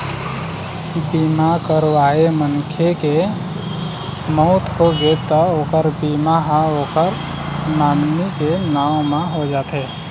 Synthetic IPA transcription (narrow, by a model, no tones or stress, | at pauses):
biːmakəɾʋaːemənkʰeke | mɔʊt̪ɦoɡet̪ɔoːkəɾbiːmaɦə̃oːkəɾ | naːmnikenaːõmãɦod͡ʒaːt̪ɦeː